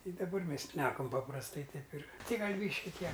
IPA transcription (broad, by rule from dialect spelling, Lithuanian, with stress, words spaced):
ˈtɐɪ dɐˈbɐr ˈmʲɛs ʃʲnʲɛˈkɐm pɐprɐsˈtɐɪ ˈtɐɪp ɪr ˈtʲɛɪ ˈɡɐlˠ ˈbʲiːʃʲkʲɪ ˈtʲiɛ